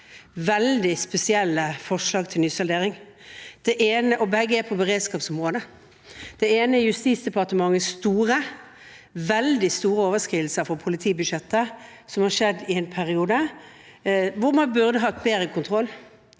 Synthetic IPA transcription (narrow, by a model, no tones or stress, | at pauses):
ʋɛld̪ɪspɛsɪɛlːəfɔʂlɑːɡt̪ʰɪlnyːsɑleːʁɪŋ | d̪̥ɛʔeːnəʔɔbɛɡəɛpʰɔbəʁeːd̪skɑːpsɔmʁoːd̪ə | d̪̥ɛeːnəɛjʉst̪iːt̪sd̪ɛpʰɑʁt̪əmɑŋːəst̪uːʁə | ʋɛld̪ɪst̪uːʁəoːʋəskʁiːʋəl̩səɾfɔɾpʰʊlɪt̪ʰiːbʉd̪ʃɛt̪ːə | sɔmhɑʂɛd̪ɪɛnpʰæʁɪuːd̪ə | ʋʊɾmɑnbʉʁd̪əɦɑt̪beːɾəkʰʊnt̪ʰʁɔlː